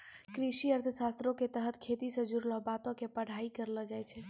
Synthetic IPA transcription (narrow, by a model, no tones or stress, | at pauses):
kɾisiəɾt̪ʰəsast̪ɾõket̪əɦət̪ʰkʰet̪isə̃d͡ʒuɾləɦbat̪õkepəɽ̤aikəɾləd͡ʒajt͡ʃʰɛ